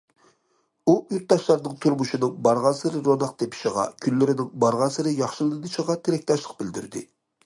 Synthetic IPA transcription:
uyt̪̚d̪ɑʃlˠɑɾnɨŋt̪ʰuɾmuʃinɨŋbɑɾʁɑnsɨɾɨɾonɑq̚t̪ʰepʰi̥ʃiʁɑ̰kʲʰylːɪɾɪnɪŋbɑɾʁɑnsɨɾɨjɑχʃɨlˠɨnɨʃəʁɑt̪ʰeɾɛk̚ʲt̪ɑʃlˠəq̚bɪld̪yɾd̪ɪ̰

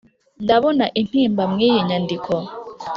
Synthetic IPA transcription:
ndaβonaʔin̥hiːmbamŋiːjiɲandikʰo

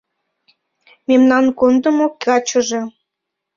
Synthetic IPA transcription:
memnɑnkond̪əmokɑt͡ɕə̆ʒe

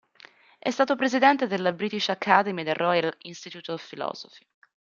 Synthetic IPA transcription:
ʔɛst̪aːt̪opɾezid̪ɛnt̪ed̪elːabɾiːt̪it͡ʃakʰːad̪emid̪erʔɔjalinst̪it̪ut̪filɔ̰ːzofi̥

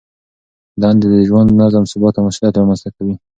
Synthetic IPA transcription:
d̪ɑnd̪ed̪əʒwand̪nazamsʊbɑt̪ːamaʃljɑt̪ɾɑmanst̪akawi

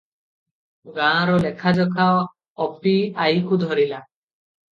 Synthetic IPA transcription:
ɡãɾɔlɛkʰad͡ʒɔkʰa | ɔpʰiajkʰud̪ʱɔɾila

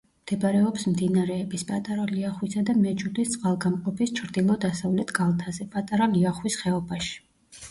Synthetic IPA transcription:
md̪̥ɛbaɾɛɔpsmd̪inaɾɛːbispʼat̪ʼaɾaliaχwisad̪amɛd͡ʒud̪ist̪sʼqʼalˠɡamqʼɔpist͡ʃʰɾd̪ilˠɔd̪asavlɛt̪ʰɡ̥alˠt̪ʰazɛpʼat̪ʼaɾaliaχwisχɛɔbaʃi̥

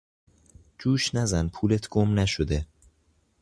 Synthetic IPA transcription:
d͡ʒuːʃnæzænpʰuːlet̪ʰɡ̥omnæʃod̪e

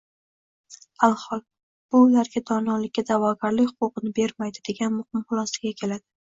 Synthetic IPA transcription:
alˠhɒlˠ | b̥ʊlaɾɡʲad̪ɒnɒlɪkʲːad̪avɒɡʲaɾlɪkʲhʊqʊqɨnɪbe̞ɾmajd̪ɪd̪e̞ɡʲanmʊhɪmχʊlˠɒsḁɡʲakʲʰe̞lad̪̥ɪ

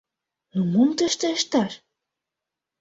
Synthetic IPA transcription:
numumt̪ə̆ʃt̪ə̆ʃt̪ɑʃ

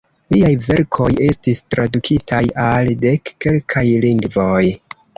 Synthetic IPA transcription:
liajve̞ɾkʰo̞je̞stistɾadukʰitʰajalde̞kːe̞lkʰajliŋɡvo̞j

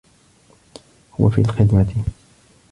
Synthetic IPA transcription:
hʊwa̰fḭːlxɪd̪mat̪ɪ

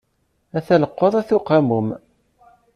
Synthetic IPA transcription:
æθæləqːəðˤæθuqːamum

